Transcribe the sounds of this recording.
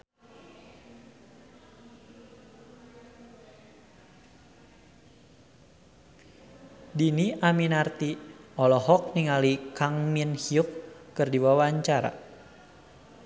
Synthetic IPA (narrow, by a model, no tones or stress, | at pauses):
diniʔaminart̪iɔlɔɦɔk̚niŋalikaŋminhiukːɨrdiwawaɲt͡ʃaɾa̰